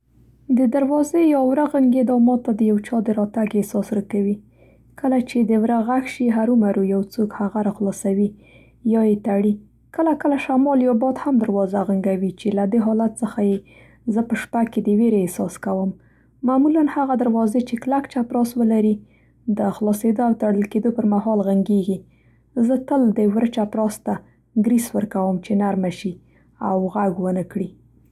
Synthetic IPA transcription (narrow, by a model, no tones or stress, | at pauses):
d̪əd̪aɾwɑzejɑwɾaɣaŋɡed̪ɑmɑt̪ːad̪əjawt͡ʃɑd̪əɾɑt̪aɡesɑsɾakawi | kəlat͡ʃed̪əwɾaɣaxʃiɦaɾumaɾujawt͡sokhaɣaɾɑxlɑsawi | jɑjet̪aɽi | kəlakəlaʃamɑljɑbɑd̪hamd̪aɾwɑzaɣaŋɡawit͡ʃelad̪eɦɑlat̪səxaje | zəpəʃpaked̪əweɾeesɑskawəmː | amulanhaɣad̪aɾwɑzet͡ʃeklakt͡ʃapɾɑswəlaɾi | d̪əxlɑsed̪oawt̪aɽəlked̪opəɾmahɑlɣaŋɡeɡi | zət̪əld̪əwɾət͡ʃapɾɑst̪a | ɡɾiswəɾkawəmt͡ʃenaɾmaʃi | awɣaɡwənəkɽi